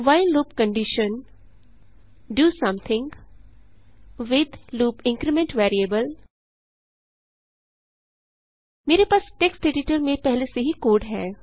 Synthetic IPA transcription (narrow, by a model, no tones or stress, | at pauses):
ʋaɪlluːpkə̃ɳɖɪʃə̃n | ɖuːsɐ̃mt̪ʰɪ̃ŋɡ | ʋɪd̪luːpɪ̃ŋkɾemẽɳʈʋɛːɾiebəl | meːɾepaːsʈeksʈeɖɪʈəɾmẽpɛɦleseɦikoːɖɦɛː